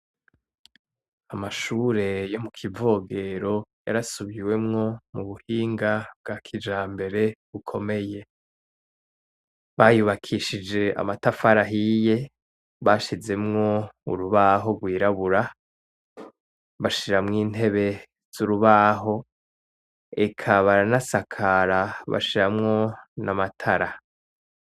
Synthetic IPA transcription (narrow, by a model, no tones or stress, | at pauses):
amaʃuːɾe̞jo̞mukʰivo̞ːɡe̞ɾo̞ja̰ɾasuβiwe̞mŋo̞muβuhiːŋɡabɡakʰid͡ʒaːmbe̞ɾe̞βukʰo̞me̞je̞ | βajuβakʰiʃid͡ʒe̞a̰matafaɾaɦije̞ | βaʃize̞mŋo̞ṵɾuβaɦo̞ɡwiːɾaβuɾa | βaʃiɾamŋiːn̥e̞βe̞ | z̥uɾuβaːɦo̞ | ekʰaβaɾanasakʰaɾaβa̰ʃiɾamŋo̞namatʰaɾa